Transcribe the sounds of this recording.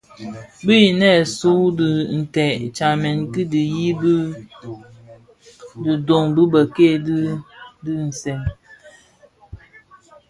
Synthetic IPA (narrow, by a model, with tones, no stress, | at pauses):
bi˦ji˨nɛ˦˨su˦dɨ˨n̩˨tɛ˨t͡ʃa˨mɛ˨nki˦di˨ji˦b | dɨ˨do˨ŋbɨ˦bə˨ke˦˨ddɨ˦n̩˨sɛ˨ŋ